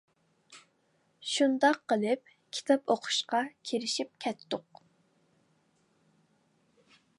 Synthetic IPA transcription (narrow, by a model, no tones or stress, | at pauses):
ʃund̪ɑqːəlˠɪp̚ | kʲʰi̥t̪ʰɑpoqʰʊ̥ʃqɑkʲʰiɾɪʃip̚kʲʰɛt̪ːʊq